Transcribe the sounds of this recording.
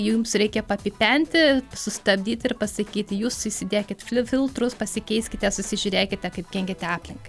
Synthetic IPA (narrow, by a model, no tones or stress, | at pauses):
juumsrʲɛɪkʲɛpɐpʲipʲɛnʲt̪ʲɪsʊst̪ɐbʲd̪ʲiːt̪ʲɪrpɐsɐkʲiːt̪ʲjuːsɪsʲɪd̪ʲeːkʲɪt̪fʲfʲɪlˠt̪ɾʊspɐsʲɪkʲɛɪsʲkʲɪt̪ʲɛsʊsʲɪʒʲʊɾʲeːkʲɪt̪ʲɛkɐɪp̚kʲɛŋʲɡʲɪt̪ʲɑːpʲlʲɪŋkɐɪ